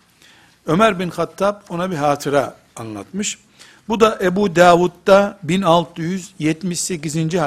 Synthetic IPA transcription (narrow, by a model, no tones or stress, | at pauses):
ø̞mæɾbinxat̪ʰːap̚o̞nabiɦaːt̪ʰɯɾaː | nlˠa̰t̪mɯʃ | bud̪aʔebud̪aːvut̪ːabinalˠt̪ʰɯjyzjɛt̪miʃse̞cizind͡ʒiɦ